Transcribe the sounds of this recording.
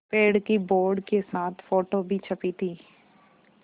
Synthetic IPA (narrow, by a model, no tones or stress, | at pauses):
peːɖkiboːɾɖkesaːt̪ʰfoːʈobʱit͡ʃʰəpit̪ʰiː